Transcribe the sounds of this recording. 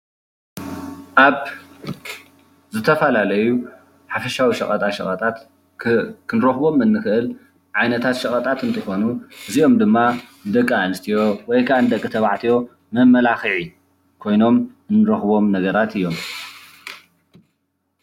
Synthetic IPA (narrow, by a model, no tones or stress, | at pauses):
ʔaβ | zɨt̪ʰɐfɐlalɐju | ħafɐʃawiʃɐ̰χʼɐt̪ʼaʃɐ̰χʼɐt̪ʼat̪ | kʰɨnɾɐxbo̞mɨnːɨxɨʔɨl | ʕajnɐt̪ʰat̪ʃɐχʼɐt̪ʼat̪ɨnt̪ʰɨxo̞nuʔɨzio̞md̪ɨmːanɨd̪ɐkʼːaanɨst̪ʰijo̞wɔjkʰaʔnɨd̪ɐkʼːɨt̪ʰɐβaʕt̪ʰijo̞ | mɐmːɐlaxiʕi | kʰo̞jno̞m | ɨnːɨɾɐxbo̞mnɐɡɐɾat̪ɨjːo̞m